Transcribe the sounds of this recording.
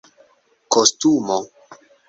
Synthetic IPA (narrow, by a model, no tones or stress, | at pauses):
kostumo